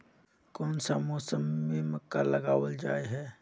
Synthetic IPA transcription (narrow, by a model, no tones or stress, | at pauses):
kɔːnsamɔːsəmːẽməkːaləɡaːwəld͡ʒaːeɦɛː